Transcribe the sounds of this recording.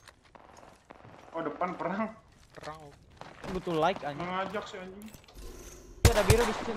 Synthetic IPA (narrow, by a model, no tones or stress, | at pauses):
ɔdəpanpəɾaŋ | pəɾaŋ | but̪ulaɪkaɲəŋad͡ʒak̚sɪaɲu | uadabiɾadisi̥ti